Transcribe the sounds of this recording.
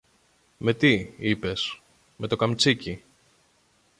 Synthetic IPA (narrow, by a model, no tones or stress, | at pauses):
me̞t̪iipe̞s | me̞t̪okɐmt͡sici